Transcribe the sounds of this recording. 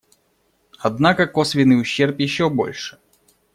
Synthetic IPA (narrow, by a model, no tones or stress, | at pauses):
ɐd̪nakəkosvʲɪnɨjʊɕːerpjɪɕːobo̞̰lʲʂɨ̥